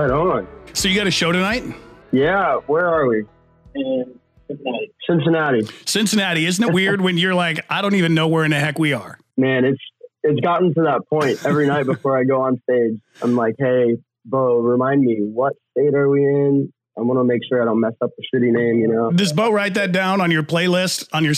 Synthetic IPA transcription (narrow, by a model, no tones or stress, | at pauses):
aɪɾõʊ̃nsoʊjɨɡɑɾɨʃoʊɾɨnaɪt̚jæwə˞ə˞wi | ɨ̃n | sɪ̃nsɨnæɾisɪ̃nsɨnæɾiɪzn̩ɨt̚wɪɹd̚wɨ̃njə˞laɪkaɪɾõʊ̃ntivɨ̃nːoʊwə˞ɨ̃nɨɦɛkwiə˞ | mæ̃nɨtsɨts̬ɡ̥ɑʔn̩tɨðət̚pʰɔ̃ɪ̃nt̚ɛvɹinaɪt̚b̥əfɔɹaɪɡoʊə̃nsteɪd͡ʒãɪ̃mlaɪkheɪ | boʊɹɨmãɪ̃ndmiwʌtsteɪɾə˞wiɪ̃n | ãɪ̃mwɑnəmeɪkʃʊɹaɪɾõʊ̃nmɛsʌp̚ðɨsɪɾinẽɪ̃mjɨnoʊdɪsboʊɹaɪt̪̚ðɨt̚d̥ãʊ̃nə̃njə˞pʰl̥eɪlɪstn̩jə˞